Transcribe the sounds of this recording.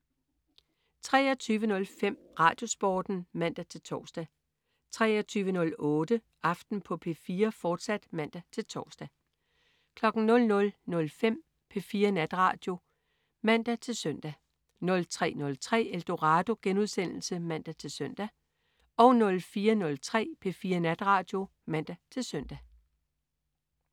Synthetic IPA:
t͡sʰʁɛ̰ːɒt͡sʰyːʋənɔ̽lfem̰ | ʁɑ̈ːd̥jo̝sb̥ɒ̰ːd̥n̩mæn̰d̥æt͡sʰe̝lt͡sʰɒːsd̥æ | t͡sʰʁɛ̰ːɒt͡sʰyːʋənɔ̽lɔ̽ːd̥ə | ʔɑ̈fd̥n̩pʰɒ̽pʰe̝̰ːfiːɐfɒːd̥sæd̥mæn̰d̥æt͡sʰe̝lt͡sʰɒːsd̥æ | kʰlɒ̽ɡ̥n̩nɔ̽lnɔ̽lnɔ̽lfem̰ | pʰe̝fiːɐnæd̥ʁɑ̈ːd̥jo̝ | mæn̰d̥æt͡sʰe̝lsœn̰d̥æ | nɔ̽lt͡sʰʁɛ̰ːnɔ̽lt͡sʰʁɛ̰ːeld̥o̝ʁɑd̥o̝ɡ̥enuð̞ˠsen̰l̩səmæn̰d̥æt͡sʰe̝lsœn̰d̥æ | ɒ̽ʊnɔ̽lfiːɐnɔ̽lt͡sʰʁɛ̰ːpʰe̝fiːɐnæd̥ʁɑ̈ːd̥jo̝ | mæn̰d̥æt͡sʰe̝lsœn̰d̥æ

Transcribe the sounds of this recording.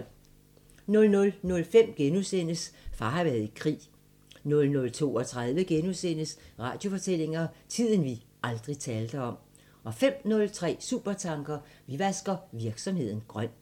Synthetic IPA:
nɔ̽lnɔ̽lnɔ̽lfem̰ɡ̥enusen̰əsfɑ̈hɑ̈ʋæɐðˠikʰʁḭː | nɔ̽lnɔ̽lt͡sʰo̝̰ːɒ̽t͡sʰʁað̞ˠʋəɡ̥enusen̰əsʁɑ̈ːd̥jo̝fɒ̽t͡sʰe̝l̰e̝ŋɐt͡sʰið̰ˠn̩ʋi | ɑ̈ld̥ʁit͡sʰɛːld̥əɒ̽m̰ | ɒ̽fem̰nɔ̽lt͡sʰʁɛ̰ːsṵb̥ɐt͡sʰɑ̈ŋɡ̥ɐ | ʋiʋæsɡ̥ɐʋiɐɡ̥sɒ̽mhe̝ð̰ˠn̩ɡ̥ʁɶn̰

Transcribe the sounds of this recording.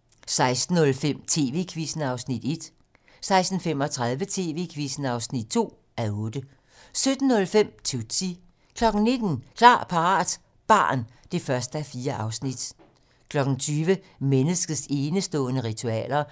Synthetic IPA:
sɑ̈ɪsd̥n̩ːɔ̽lfem̰t͡sʰe̝ːʋe̝ːkʰʋisn̩ɑ̈ʊsnid̥e̝d̥ | sɑ̈ɪsd̥n̩fem̰ɒ̽t͡sʰʁɑðˠʋət͡sʰe̝̰ːʋe̝̰kʰʋisn̩ɑ̈ʊsnid̥̚t͡sʰo̝̰ː | æɔ̽ːd̥ə | sød̥n̩ːɔ̽lfem̰t͡sʰut͡sʰi | kʰlɒ̽ɡ̥n̩ne̝d̥n̩kʰlɑ̰̈ːpʰɑ̈ʁɑ̰̈ːd̥ | b̥ɑ̈ːn | d̥e̝fɶɐsd̥əæfiːɐʔɑ̈ʊsnid̥ | kʰlɒ̽ɡ̥n̩t͡sʰyːʋə | menəsɡ̥ð̩ˠse̝ːnəsd̥ɔ̰̽ːnəʁit͡sʰuɛ̰ːlɐ

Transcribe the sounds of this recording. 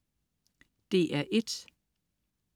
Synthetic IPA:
d̥e̝ʔæɐʔe̝d̥

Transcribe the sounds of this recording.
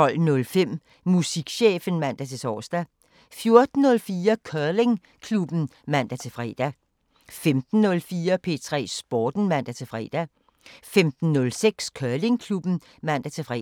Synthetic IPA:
t͡sɒ̽l̰nɔ̽lfem̰ | musiɡ̥ɕeːfən̩mæn̰d̥æt͡sʰe̝sʰɒ̰ːsd̥æ | fjo̝ɐd̥n̩ːɔ̽lfiːɐkʰɶɐle̝ŋ | kʰlub̥n̩ | mæn̰d̥æt͡sʰe̝fʁɛ̰ːd̥æ | femd̥n̩ːɔ̽lfiːɐpʰe̝̰ːt͡sʰʁɛ̰ːsb̥ɒːd̥n̩mæn̰d̥æt͡sʰe̝fʁɛ̰ːd̥æ | femd̥n̩ːɔ̽lseɡ̥skʰœɐle̝ŋkʰlub̥n̩ | mæn̰d̥æt͡sʰe̝fʁɛ

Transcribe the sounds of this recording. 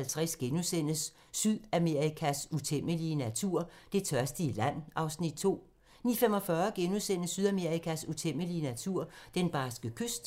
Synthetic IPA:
ælt͡sʰʁɛsɡ̥enusen̰əsː | yðˠæme̝ʁikʰæsut͡sʰem̰əliənæt͡sʰuɐ̰d̥e̝t͡sʰɶɐsd̥əilæn̰ʔɑ̈ʊsnid̥̚t͡sʰo̝̰ː | nifemɒ̽fɶɐɡ̥e̝nusen̰əsːyð̞ˠæme̝ɐʁikʰæsut͡sʰem̰əliənæt͡sʰuɐ̰d̥enb̥ɑ̈ːsɡ̥əkʰøsd̥

